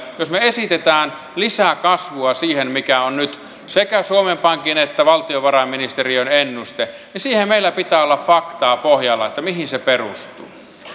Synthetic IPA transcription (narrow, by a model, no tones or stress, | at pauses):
josmeesit̪et̪æːn | lisækɑsʋuɑsiːhenmikæonnyt̪ | sekæsuomempɑŋkinet̪ːæʋɑlt̪ioʋɑrɑmːinist̪erionenːust̪enisiːhemmeilːˑæpit̪æːolːɑffɑkt̪ɑːpohjɑlːɑet̪ːæmihinseperust̪ṵː